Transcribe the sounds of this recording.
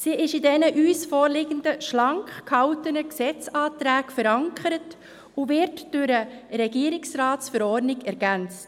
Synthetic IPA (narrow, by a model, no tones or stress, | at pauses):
siːʔɪʃɪdɛnəʔyːsfɔːɾlɪɡəndəʃlɑŋkkhɑʊtənəksɛt͡sɑːtɾæːkfəɾɑŋkʰəɾət | ʊʋɪɾtd̥ʊɾəɾɛɡiəɾɪksɾɑːtsfəɾɔɾnɪɡɛɾɡ̥ænt͡st